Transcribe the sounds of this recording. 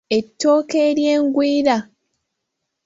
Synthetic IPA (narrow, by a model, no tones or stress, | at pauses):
e̞tːo̞ːkeːɾje̞ːŋɡwiːɾa